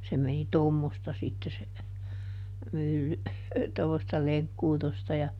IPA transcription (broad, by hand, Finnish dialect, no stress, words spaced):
se meni tomːostɑ sitːe se mylːy tomːostɑ leŋkːuːtostɑ jɑ